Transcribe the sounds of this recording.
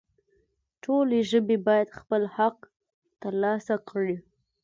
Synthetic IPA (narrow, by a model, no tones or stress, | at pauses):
ʈʰoleʒəbebɑjad̪xpəlhaq | t̪əɾlɑsakɽi